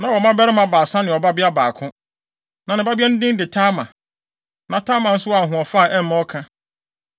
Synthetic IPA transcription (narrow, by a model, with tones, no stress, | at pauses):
nã˨wɔ˨mã˦bɛ˦ɾɪ˦mã˨baː˨sã˦nɪ̃˨ɔ˨ba˦bɪ˦a˦baː˨kʰʊ̃˦ | nã˨nɪ̃˨˦ba˦bi˦ɛ˦n̩˦dɪ̃˦n˦dɪ˨tʰaː˦mã˨ | nã˨tʰaː˦mã˨n̩˦sʊ˦a˨ɦʊ̃˨ɔ˨fa˦˨ʔɛ˦m˦mã˦ɔ˦kʰã˦